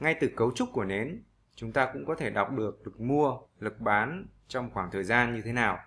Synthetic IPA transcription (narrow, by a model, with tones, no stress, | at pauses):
ŋa˧jt̪ɨ˨˩kə˨˦wt͡ɕʊ˦˥k͡p̚ku˧˩əne˨˦n | t͡ɕʊ˨˦ŋ͡mt̪aː˧kʊ̰˧˥ŋ͡mkɔ˨˦t̪ʰe˧˩ɗa˨˩wk͡p̚ɗɨ˨˩ək̚lɨ˨˩k̚mu˧əlɨ˨˩k̚ɓaː˨˦n | t͡ɕɔ˧wŋ͡mxwaː˧˩ŋt̪ʰəː˨˩jzaː˧nɲɨ˧t̪ʰe˨˦naː˨˩w